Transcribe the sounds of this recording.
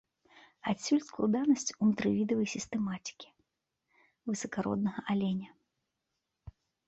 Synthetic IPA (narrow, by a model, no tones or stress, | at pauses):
asʲulʲsklˠud̪anɐsʲt͡sʲunt̪ɾɨvʲid̪ɐvɐjsʲist̪ɛmat̪ʲi̥kʲi̥ | vɨsɐkaɾɔ̰d̪̚nɐɣɐʔalʲɛnʲɐ